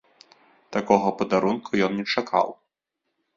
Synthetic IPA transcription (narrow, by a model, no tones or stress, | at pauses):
t̪akɔɣɐpɐd̪aɾunkʰujɔnnʲɛt͡ʂakʰa̰w